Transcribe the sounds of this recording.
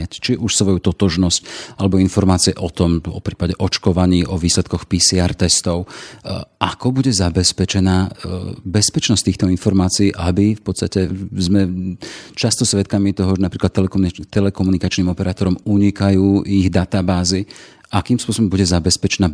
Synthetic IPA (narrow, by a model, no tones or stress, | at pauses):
act͡ʃiʔuʃsʋɔjut̪ɔt̪ɔʒnɔscalɛbɔinfɔɾmaːt͡siɛʔɔt̪ɔmɔ̰pɾiːpaɟɛʔɔt͡ʃkɔʋaɲiːʔɔʋiːslɛt̪kɔxpiːsiaɾt̪ɛst̪ɔʊ | ʔakɔbuɟɛzabɛspɛt͡ʃɛnaːbɛspɛt͡ʃnɔsct̪iːxt̪ɔinfɔɾmaːt͡siiːʔabifpɔt̪st̪acɛzmɛ | t͡ʃast̪ɔsʋɛt̪kamit̪ɔɦɔʒɛnapɾiːklat̪ːt̪ɛlɛkɔmunikat͡ʃniːmɔpɛɾaːt̪ɔɾɔmuɲikajuːʔiɣd̪at̪abaːzi | ʔakiːmspʊɔsɔbɔmbuɟɛzabɛspɛt͡ʃɛnaː